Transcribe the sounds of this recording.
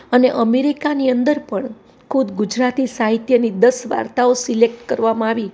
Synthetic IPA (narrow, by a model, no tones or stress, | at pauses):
əneʔəmeɾikaniənd̪əɾpəɳ | kʰud̪ɡud͡ʒɾat̪isaɦit̪jənid̪əsʋa̰ɾt̪aosilek̚ʈkəɾʋamãaʋi